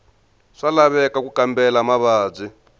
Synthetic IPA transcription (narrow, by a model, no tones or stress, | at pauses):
ʂalaβɛkakukambɛlamaβaːb͡ʐi